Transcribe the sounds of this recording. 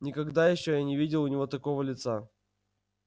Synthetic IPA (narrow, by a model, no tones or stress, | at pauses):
nʲɪkɐɡd̪ajɪɕːojanʲɪvʲidʲɪlˠʊnʲɪvo̞t̪ɐko̞vəlʲɪt̪sa